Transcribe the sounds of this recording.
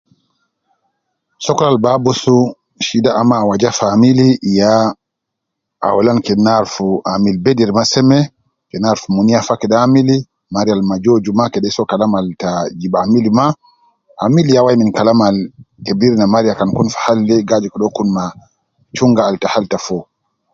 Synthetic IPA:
sɔkɔɾalbabɔsu | ʃidaʔamːaːwad͡ʒafamilija | ʔa̰walankɛnaɾfuʔamilbedɛɾmasɛmɛ | kɛnaɾfumunijafakɛɗaːmili | maɾijalmad͡ʒod͡ʒumakɛɗɛsɔkalamaltad͡ʒiɓamilima | ʔa̰milijawajminkalamalkebiɾinamaɾijakankunfḁhalːɛɡad͡ʒikɔɗɔkunma | t͡ʃuŋɡaːltahaltafɔ

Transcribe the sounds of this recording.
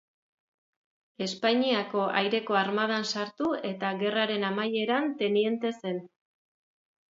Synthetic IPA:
e̞spaɲiako̞ʔajɾe̞ko̞aɾmað̞ansaɾt̪ue̞t̪aɣe̞raɾe̞namaje̞ɾant̪e̞nie̞nt̪e̞se̞n

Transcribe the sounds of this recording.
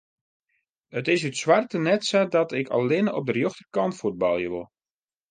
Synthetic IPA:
ətɪsytswartənɛtsadɔtɪkʰɑ̰lːɪnɔ̰b̚dərjoxtərkɑntfud̚bɑlˠjəʋɪ̰lˠ

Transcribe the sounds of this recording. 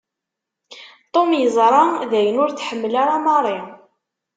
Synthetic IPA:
t̪ˤomjəzˤɾˤɑðæjənʊɾθħəmːlaɾamɑrˤːi

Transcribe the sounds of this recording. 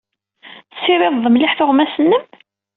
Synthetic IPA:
sːiɾɪðˤəmlɪħθʊʁmæsənːəm

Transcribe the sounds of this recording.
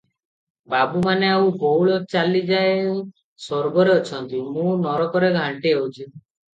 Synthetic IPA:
babumaneawbowɭɔt͡ʃalid͡ʒaew | sɔɾbɔɾeɔt͡ʃʰɔnt̪imũnɔɾɔkɔɾeɡʱaɳʈiewt͡ʃʰi

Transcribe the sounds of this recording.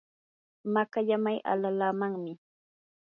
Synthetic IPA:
makaʎamajʔa̰lalaːmaŋmɪ

